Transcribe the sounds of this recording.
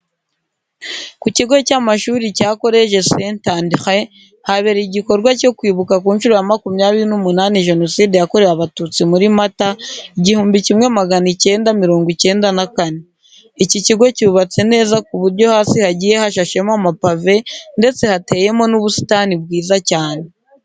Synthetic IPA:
kuciɡo̞camaʃuːɾicaːko̞ɾe̞ʃe̞sentaːndixe | haβe̞ɾiɟiko̞ɾɡwaco̞kwiːβukakuːnt͡ʃuɾujamakumɲaːβiɾinumunaːniʒe̞no̞siːdejako̞ɾe̞ɾaβatut͡simuɾimataiɟihuːmbicimŋe̞maɡanice̞ːndamiɾo̞ːŋɡice̞ːndanakane | iciciɡo̞ciuβat͡se̞ne̞ːzakuβuɾɟo̞haːsihaɟije̞haʃaʃe̞mamapave̞nde̞t͡se̞hate̞je̞mo̞nuβusi̥tanibɡiːzacaːne

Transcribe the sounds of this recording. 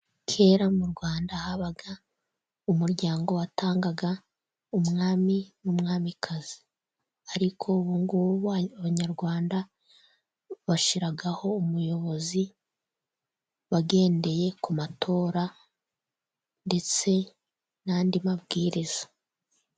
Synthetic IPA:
kʰe̞ːɾamuɾɡwaːndahaβaɡa | umuɾɟaːŋɡo̞watʰaːŋɡaɡa | umŋaːminumŋaːmikʰaz̥i | aɾikʰo̞βuŋɡuβaβaɲaɾɡwaːnda | βaʃiɾaɡaho̞umujo̞βo̞zi | βaɡe̞ːnde̞je̞kumatʰo̞ːɾa | nde̞t͡se̞ | nandimabɡiːɾizḁ

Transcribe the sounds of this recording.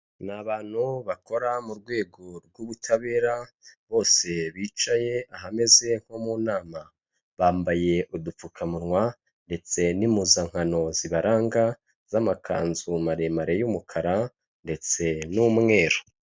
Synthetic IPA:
naβaːn̥huβako̞ɾamuɾɡwe̞ːɡo̞ɾɡwuβutʰaβe̞ːɾa | βo̞ːse̞βiːt͡ʃaje̞aɦame̞ze̞ŋ̥homuːnaːma | βaːmbaje̞ʔudup͡fukʰamuɾŋwa | nde̞t͡se̞nimuzaŋ̥hano̞ziβaɾaːŋɡa | z̥amakʰa̰ːnzumaɾemaɾejumukʰaɾa | nde̞t͡se̞numŋe̞ːɾo

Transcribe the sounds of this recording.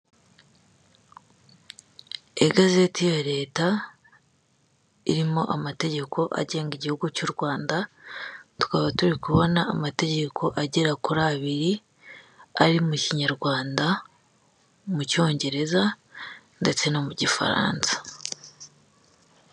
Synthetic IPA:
e̞ɡaze̞tijaɾe̞ːta | iɾimo̞ʔamate̞ɟe̞kʰo̞ʔa̰ɟe̞ːŋɡiɟihuɡucuɾɡwaːnda | tu̥kaβatuɾikuβo̞naːmate̞ɟe̞kʰo̞ʔaɟeɾakuɾaːβiɾi | aɾimuciɲaɾɡwaːnda | muco̞ːɲɟe̞ɾe̞za | nde̞t͡se̞no̞muɟifa̰ɾa̰ːnsḁ

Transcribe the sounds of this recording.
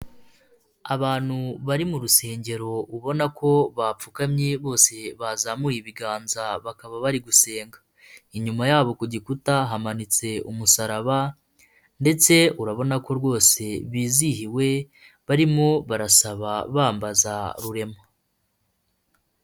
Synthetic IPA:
a̰βaːn̥huβaɾimuɾuse̞ːɲɟe̞ɾo̞uβo̞nakʰo̞βap͡fukamɲeβo̞ːse̞βazamujiβiɡaːnzaβakaβaβaɾiɡuse̞ːŋɡḁ | iɲumajaːβo̞kuɟikutaɦamanit͡se̞umusaɾaβa | nde̞t͡se̞uɾaβo̞nako̞ɾɡwo̞ːse̞βiːzihiwe̞ | βaɾimo̞βaɾasaβaβaːmbazaɾuɾe̞ma

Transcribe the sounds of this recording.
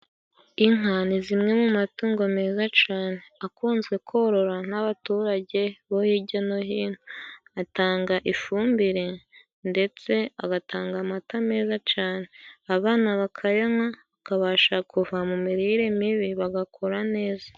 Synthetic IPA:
iŋanizimŋe̞mumatuːŋɡome̞ːzat͡ʃaːne̞akuːnzɡe̞kʰo̞ɾo̞ɾan̥aβatuːɾaɟe̞βohiɟano̞ɦiːnhuataːŋɡaʔifuːmbiɾe̞ | nde̞t͡se̞aɡataːŋɡamatame̞ːzat͡ʃaːne̞aβaːnaβakʰajaŋaakaβaːʃakuvamumiɾiɾemiβiβaɡakʰo̞ɾane̞ːzḁ

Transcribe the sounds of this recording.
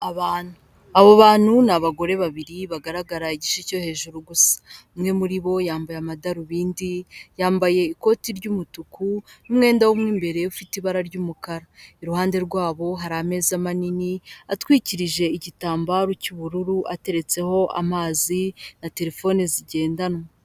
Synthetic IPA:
aβaːn̥hu | aβoβaːn̥hunaβaɡo̞ɾe̞βaβiɾiβaɡaɾaɡaɾaiɟiʃico̞he̞ːʒuɾuɡusḁmŋe̞muɾiβo̞jaːmbajamadaɾuβiːndijaːmbaje̞iko̞tiɾɟuːmutukunumŋe̞ːndawumŋiːmbe̞ɾe̞ufitiβaɾaɾɟuːmukaɾaiɾuhaːnde̞ɾɡwaːβo̞ɦaɾame̞ːzamaniniatwiːciɾiʒe̞iɟitaːmbaɾucuβuɾuɾuʔate̞ɾe̞t͡se̞ho̞ʔa̰maːzinate̞ɾe̞fo̞ːniziɟe̞ːndanmo

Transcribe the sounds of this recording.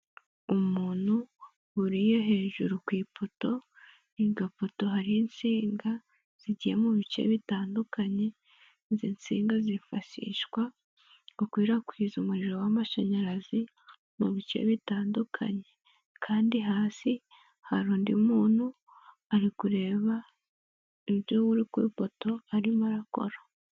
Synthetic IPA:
umuːn̥hu | uɾijo̞ɦe̞ːʒuɾukwiːpʰoto̞ | iɡapoto̞ɦaɾijint͡siːŋɡa | z̥iɟijemuβit͡ʃḛβitaːndukʰaɲe̞ | zint͡sḭːŋɡazifaʃḭʃkwa | ukwiːɾakwiːzumuɾiɾo̞wamaʃaɲaɾazi | muβit͡ʃe̞̰βitaːndukʰa̰ɲe̞ | kʰaːndiɦaːsi | haɾuːndimuːn̥hu | aɾikuɾe̞ːβa | iβjoβuɾikwḭpo̞to̞aɾimaɾako̞̰ɾo

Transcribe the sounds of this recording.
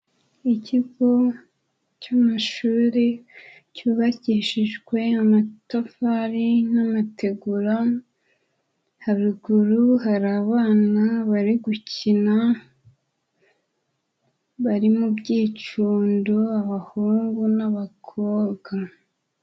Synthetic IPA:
iciɡo̞ | camaʃuːɾe | cuːβaciʃiʒɡwe̞amatafaɾinamatʰe̞ɡuɾa | haβiɡuɾuɦaɾaːβaːnaβaɾiɡucina | βaɾimubɟiːt͡ʃuːndoaβahuːŋɡunaβakʰoːɡ̥a

